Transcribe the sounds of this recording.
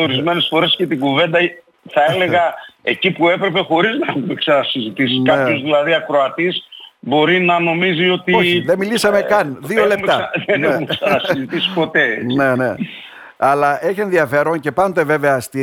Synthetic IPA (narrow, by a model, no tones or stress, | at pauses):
o̞ɾizme̞ne̞sfo̞ɾe̞sce̞t̪iɡuve̞nd̪ɐ | θɐele̞ɣɐe̞cipue̞pɾe̞pe̞xo̞ɾiznɐxumeksɐnɐsizit̪isikɐpço̞zðilɐðiɐkɾo̞ɐt̪isbo̞ɾinɐno̞mizio̞t̪ioiðemilisɐmekɐnðiolept̪ɐðeneumeksɐnɐsizit̪isi̥po̞t̪e̞enene | ɐlɐʔe̞çie̞nðiɐfe̞ɾoŋce̞pɐnd̪e̞ve̞veɐːst̪i